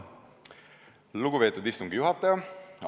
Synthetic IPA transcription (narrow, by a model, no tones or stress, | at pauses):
luɡuveːt̪ːˑud̪ist̪uŋɡijuɦɑt̪ːˑɑjɑ